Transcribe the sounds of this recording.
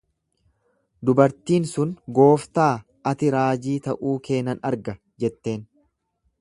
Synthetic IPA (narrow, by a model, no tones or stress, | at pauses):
d̪ʊbɐɾt̪iːnsʊnɡo̞ːft̪aː | ʔɐt̪ɪɾaːd͡ʒiːt̪ɐʔuːke̞ːnɐnɐɾɡɐ | d͡ʒɛt̪ːe̞ːn